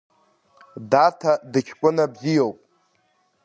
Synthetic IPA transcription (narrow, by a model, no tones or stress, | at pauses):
datʰadɨt͡ʃʲʰkʷʼʊnabzijowpʼ